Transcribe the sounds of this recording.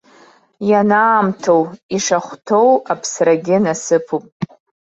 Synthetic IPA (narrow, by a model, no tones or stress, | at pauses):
janaːmtʰowiʂaχʷtʰo̞wapʰsraɡʲɪnasɨpʰupʼ